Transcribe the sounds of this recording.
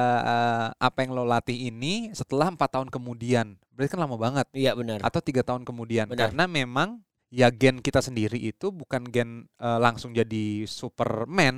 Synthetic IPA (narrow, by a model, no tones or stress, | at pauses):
əəʔa̰pajaŋlolat̪ɪɦinisət̪əlahəmpat̪ːaɦʊnkəmudianbəɾat̪̚kanlamabaŋət̪̚jabənəra̰t̪awt̪iɡat̪aɦʊnkəmudianəkaɾənamemaŋ | jaɡɛnkit̪asəndiɾiʔːt̪ubukanɡɛnəːlaŋsʊŋd͡ʒadisupərmɛn